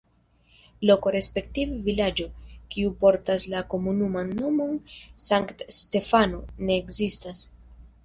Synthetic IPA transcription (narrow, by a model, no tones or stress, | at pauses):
lo̞ko̞ɾe̞spe̞k̚tivevilad͡ʒo̞kiupo̞ɾtaslako̞munumanːo̞mo̞nsaŋktste̞fano̞ne̞ːkzistas